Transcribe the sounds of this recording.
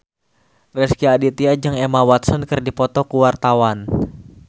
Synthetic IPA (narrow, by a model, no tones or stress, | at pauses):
rɛskiadit̪iad͡ʒaŋɛmawat̪sənkɨrdipɔt̪ɔkuwart̪awan